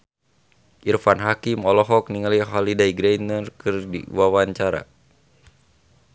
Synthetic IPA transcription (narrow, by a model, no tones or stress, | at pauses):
ʔirfanɦakimɔlɔɦɔk̚niŋaliɦalidaiɡɾajnərkɨrdḭwawaɲt͡ʃaɾa̰